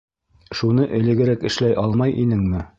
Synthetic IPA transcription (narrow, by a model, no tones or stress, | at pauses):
ʃunɤʔɘ̆lɘ̆ɡɘ̆ɾækɘ̆ʃlæjʔɑlˠmɑjʔḭnɘŋmɘ